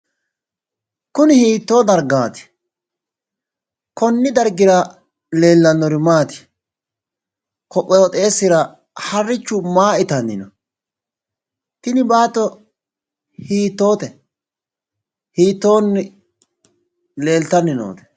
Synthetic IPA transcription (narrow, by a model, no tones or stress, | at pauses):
kʊnɪhiːt̪ːo̞ːd̪ɐɾɡaːt̪ɪ̥ | kɔnːɪd̪ɐɾɡɪɾɐ | le̞ːlːɐnːɔɾɪmaːt̪ɪ̥ | kɔpʼːɔɔt̪ʼe̞ːsːɪɾɐ | hɐrːɪt͡ʃːʊmaːɪt̪ɐnːɪ̰nɔ | t̪ɪnɪbaːt̪ːɔ | hiːt̪ːo̞ːt̪ɛ | hiːt̪ːo̞ːnː | le̞ːlt̪ːɐnːɪno̰ːt̪ɛ̥